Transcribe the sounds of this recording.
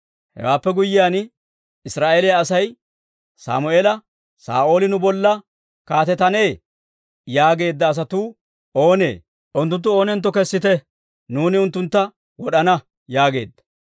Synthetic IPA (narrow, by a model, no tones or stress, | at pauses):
hɛ̰waːpːɛɡʊjːɪjaːn | ɪsɾaːʔelɪjaːsɐj | sa̰ːmʊeːlɐ | sa̰ːʔo̞ːlɪnʊbɔlːɐ | kaːt̪ɛt̪ːɐneː | jaːɡe̞ːd̪ːɐːs̬ɐt̪uː | o̞ːne̞̰ː | ʔʊnt̪ːʊnt̪ːʊo̞ːnɛnt̪ːɔkɛsːɪt̪ɛ | nuːnɪʊnt̪ːʊnt̪ːɐ | wɔɗɐnɐ | jaːɡe̞̰ːd̪ːɐ̥